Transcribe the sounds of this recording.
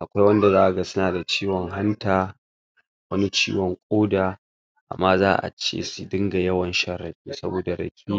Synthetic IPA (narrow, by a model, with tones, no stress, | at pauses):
ʔa˨kʷa˦jwɐ˦nda˨zaː˦ʔa˨ɡa˦sʊ˦naː˨da˨t͡ʃiː˦wɔ˨ŋɦa˦ntaː˨ | wɐ˦ni˦t͡ʃḭː˦wɔ˨ŋkʷʼoː˦daː˨ | ʔa̰˨mːaː˦zaː˦ʔa̰˨t͡ʃḛː˦˨su˨dɪ˦ŋɡa˨jɐ˦wɐ˨nʃɐ˦ɾɐ˨ɸḭː˦sɐ˦boː˨da˨ɽɐ̰˨kʲʰiː˦